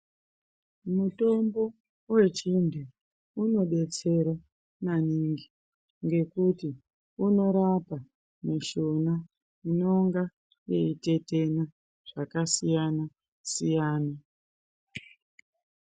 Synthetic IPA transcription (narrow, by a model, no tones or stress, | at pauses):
muto̞mbo̞ | we̞t͡ʃintʰu | uno̞ɓe̞t͡se̞ɾa | maniŋɡi | ŋɡe̞kuti | uno̞ɾapa | muʃona | ino̞ŋɡa | je̞ite̞te̞na | ʐ̥akasijana | sijaːna